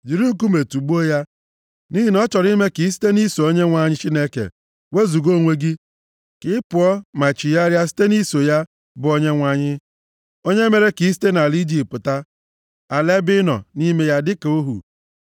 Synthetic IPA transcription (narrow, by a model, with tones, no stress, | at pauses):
d͡ʒi˨ɾi˦ŋ̩˨k̬u˦me˨tu˨ɡ͡bu˦o˦ja˦ | ni˦ɦi˦nɔ˦t͡ʃɔ˨ɾi˦me˦ki˨˦s̬i̥˦te˦ni˦so˨o˦ɲe˦ŋʷa˦˨ɲɪ˦t͡ʃi˦ne˦kḛ˨ | we˦zu˨ɡo˦˨ŋʷe˦ɡi˦ | kɪ˦pʊ˨ɔ˦ma˨t͡ʃi˨ja˦ɾja˦s̬i̥˦te˦ni˦so˨ja˦ | bʊ˨˦o˦ɲe˦ŋʷa˦ɲɪ˦ | o˦ɲe˦me˨ɾe˦ki˨˦s̬i̥˦te˦na˨li˦d͡ʒi˦˨pʊ˨ta˦ | a˨le˦bɪ˦nɔ̰˨ni˦me˦ja˦dɪ˦ke˨o˦ɦṵ˨